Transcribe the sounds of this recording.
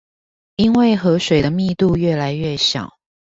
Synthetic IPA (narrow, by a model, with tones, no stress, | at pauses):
i˥nwe˥˩ɪxɤ˧˥ʂwe˨˩ɪd̪ə˦mi˥˧t̪u˥˧ɥɛ˥˩la˧˥ɪɥɛ˥˩ɕjɑ̰˨˩˦ʊ